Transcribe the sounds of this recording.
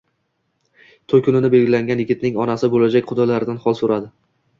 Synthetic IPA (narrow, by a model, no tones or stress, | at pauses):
t̪ʰokʰʊnɪnɪbe̞lɡʲɪlaŋʲanjɪɡʲɪt̪nɪŋɒnasɪbolad͡ʒakʲqʰʊd̪alaɾɪd̪anhɒlˠsoɾad̪ɪ